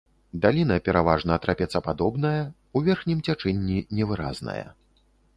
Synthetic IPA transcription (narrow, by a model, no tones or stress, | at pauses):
d̪alʲinɐpʲɛɾavaʐnɐːt̪ɾapʲɛt̪sːɐpad̪ɔbnɐjɐ | uvʲɛrxnʲimt͡sʲat͡ʂɛnʲːinʲɛvɨɾa̰znɐ̰jɐ̰